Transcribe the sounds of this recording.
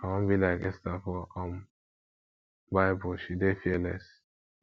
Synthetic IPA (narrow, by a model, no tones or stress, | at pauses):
awõnbilaɪkɛstafɔɔ̃m | baɪbuʃidefiɛlɛs